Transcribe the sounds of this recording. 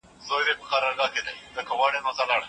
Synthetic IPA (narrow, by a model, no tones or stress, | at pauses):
zoːjd̪epəxaɾɑɾɡɑːked̪ajzəkawɑːɽenozalɑːɽ